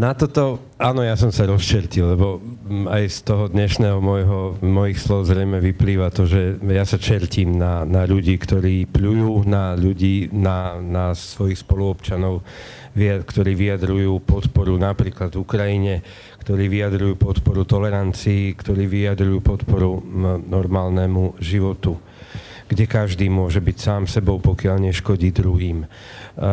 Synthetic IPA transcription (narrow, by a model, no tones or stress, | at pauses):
nat̪ɔt̪ɔ | aːnɔjasɔmsaɾɔst͡ʃɛɾcilːɛbɔajst̪ɔɦɔd̪ɲɛʃnɛːɦɔmɔjɦɔmɔjixslɔɦɔzɾɛjmɛʋipliːʋat̪ɔʒɛjasat͡ʃɛɾciːmnanaʎuɟiːkt̪ɔɾiːpʎujuːnaʎuɟiːnanasʋɔjixspɔluɔpt͡ʃanɔʊ | ʋikt̪ɔɾiːʋiad̪ɾujuːpɔt̪pɔɾunapɾiːklad̪vukɾajiɲɛ | kt̪ɔɾiːʋiad̪ɾujuːpɔt̪pɔɾut̪ɔlɛɾant͡siːkt̪ɔɾiːʋiad̪ɾujuːpɔt̪pɔɾunɔɾmaːlnɛmuʒiʋɔt̪u | ɡ̥ɟɛkaʒd̪iːmʊɔʒɛbicsaːmsɛbɔʊpɔkɪaʎɲɛʃkɔɟiːd̪ɾuɦiːm